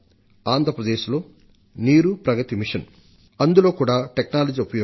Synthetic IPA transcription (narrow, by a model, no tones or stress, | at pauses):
aːnd̪ʱɾɐpɾɐd̪eːʃlo̞ː | niːɾupɾɐɡɐt̪imiʂɐn | ɐnd̪ulo̞ːkuːɽaːʈeknaːlɐd͡ʒiupɐjo